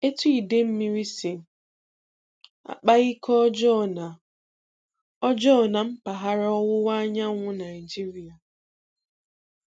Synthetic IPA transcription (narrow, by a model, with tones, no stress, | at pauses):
e˦tu˦i˨de˦m̩˦mi˦ɾi˦si˨ | a̰˨k͡pa˦ɣi˦kʰɔ˦d͡ʒɔ˦˨na˨ | ɔ˦d͡ʒɔ˦˨na˨m̩˦pa˨ɦa˦ɾɔ˦wʊ˦wa˦ɲa˦ŋʷʊ˦na˨ɪ˨d͡ʒi˦ɾi˨a˨